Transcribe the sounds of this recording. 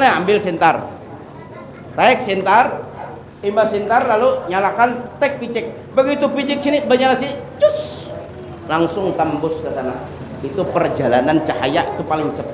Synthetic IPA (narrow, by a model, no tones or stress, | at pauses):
naambɪlsɛnt̪ar | t̪aɪk̚sint̪ar | imbasint̪arlaluɲalakant̪ɛk̚pit͡ʃɪk̚ | bəɡit̪upit͡ʃɪk̚sinibəɲalasid͡ʒʊs | laŋsʊŋt̪ambʊskəsana | it̪upərd͡ʒalanant͡ʃaha̰jaʔit̪upalɪŋt͡ʃəp